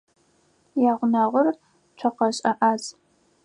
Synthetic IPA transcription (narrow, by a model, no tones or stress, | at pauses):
jaːʁʷʊnɐʁʷʊr | t͡ʃʷʰɐqɐɕʼɐʔaːz